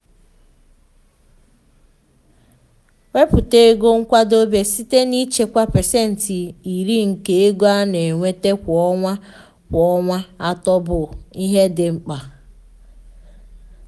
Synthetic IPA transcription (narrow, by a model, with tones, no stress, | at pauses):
we˦pʊ˨te˦ɡo˦ŋ̩˦kʷa˦do˦be˦si˦te˦ni˦t͡ʃe˦kʷa˦pe˨se˦n̩˨ti˨i˨ɾi˦ŋ̩˨ke˨˦e˦ɡʷa˦ne˨ŋʷe˦te˦kʷɔ˦ŋʷa˦ | kʷɔ˦ŋʷa˦a˦tɔ˦bʊ˨i˦ɦe˦dɪ˨ŋ͡m̩˨k͡pa˨